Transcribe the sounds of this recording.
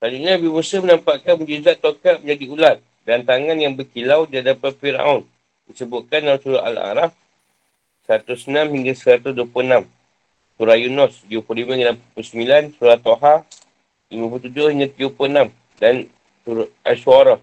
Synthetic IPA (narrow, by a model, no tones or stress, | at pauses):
sad͡ʒuʔɲabimusəmənampaʔkanmud͡ʒuzaʔt̪okaʔ̪̚məɲd͡ʒadiulat̪̚ | dant̪aŋanjaŋbəkilawdiaʔdapat̪̚fiɾa̰ʊn | disəbʊt̪̚kanːasuɾaʔa̰la̰ɾaf | səɾat̪ʊsənamhiŋɡasəɾat̪ʊsduapuənam | suɾajunɔst̪iupulimaiŋɡanamppusəmilansuɾat̪oɦa | limãp̬lut̪ud͡ʒʊhiŋɡat̪iʊpunam | dan | suɾʊa̰suaɾɔ